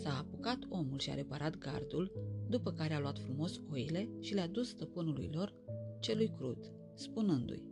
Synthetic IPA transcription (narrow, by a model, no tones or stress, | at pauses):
saːpukat̪o̞mulʃia̰ɾe̞paɾʔat̪ɡa̰rd̪uld̪upəkaɾe̞aluat̪fɾumo̞so̞ile̞ʃilead̪usːt̪əpɨnulṵjlo̞r | t͡ʃe̞lujkɾut̪ | spunɨnd̪ṵj